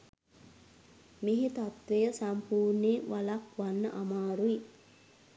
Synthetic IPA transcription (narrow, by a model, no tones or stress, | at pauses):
miɦit̪at̪ʋejəsampuːɾniʋalakʋanːəʔamaːɾui